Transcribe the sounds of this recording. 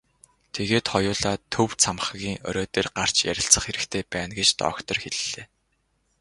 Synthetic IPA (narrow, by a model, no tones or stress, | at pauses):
t̪ʰeɣeːt̪χɔjʊːɮaːt̪ʰɵwt͡sʰamχə̆ɣiːŋœ̰ɾʲɔːt̪eːrɢar̥t͡ɕjæ̰ɾʲɪ̆ɬt͡sə̆χeɾɘ̆kt̪ʰeːpæːnɡet͡ɕt̪ɔ̰ːkt̪ɞ̆rxeɮɮeː